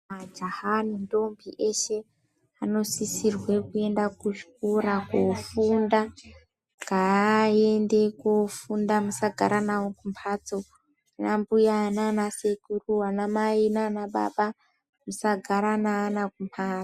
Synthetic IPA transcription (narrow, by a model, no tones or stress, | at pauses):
ad͡ʒahanindo̞mbiʔeʃe̞ | ano̞sisirwe̞kue̞ndakuʃkoɾakofunda | ŋɡaende̞kofundamusaɡʱa̰ɾanawokumpʰaːt͡so | anambujananasekuruwanamainanaɓa̰ɓa | musaɡʱaɾanaːnakumpʰaːo